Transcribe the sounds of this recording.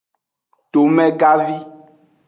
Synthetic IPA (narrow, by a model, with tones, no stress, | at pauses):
t̪o˨mɛ̃˦ɡa˦vi˦